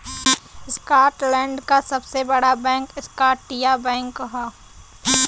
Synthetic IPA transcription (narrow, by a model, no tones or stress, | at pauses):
skaːʈlɛ̃ːɳɖkasɐbsebɐɽabɛ̃ːŋkɪskaːʈːijabɛ̃ːŋkɦaː